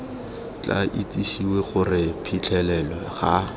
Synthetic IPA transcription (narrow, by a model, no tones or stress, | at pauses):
t͡ɬʼa̰ʔit͡sʼiʃiweχʊrɪpʰit͡ɬʰɛlɛlwɛχa